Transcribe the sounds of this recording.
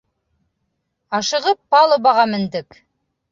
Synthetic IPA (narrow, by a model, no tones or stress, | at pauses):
ɑʃɤ̆ʁɤpːɑlˠɤ̆βɑʁɑmɘ̆nd̪ɘk